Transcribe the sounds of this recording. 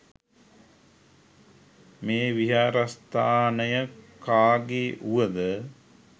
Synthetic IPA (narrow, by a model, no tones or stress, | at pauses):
meːʋiɦaːɾast̪aːnəjəkaːɡeːʔuʋəd̪ə